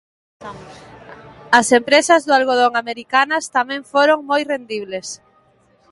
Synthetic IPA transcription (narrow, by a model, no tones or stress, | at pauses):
ɐsempɾesɐzðʊalɣoð̞oŋameɾikanɐst̪amɛ̃ŋfoɾoŋmojrend̪iβles